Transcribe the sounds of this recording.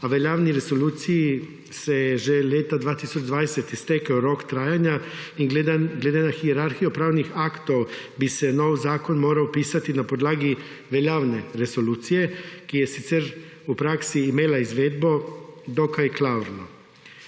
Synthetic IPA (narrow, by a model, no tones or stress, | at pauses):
aʋeʎaʋniɾe̞zo̞luːt̪siji | seʒeleːt̪ad̪ʋaːt̪isot͡ʃd̪ʋaːd̪eset̪ist̪ekaoɾo̞kt̪ɾaːjaɲaied̪ɡleːd̪enaxieɾaɾxijopɾaːʋnixakt̪o̞ʋbiseno̞ːʋzaːko̞nmo̞ːɾaopiːsat̪inapo̞d̪laːɡi | ʋeʎaːʋne̞ɾe̞zo̞luːt̪sije̞kijesit̪seɾ | upɾaksiːmeːlaizʋeːd̪bo̞d̪okajklauɾno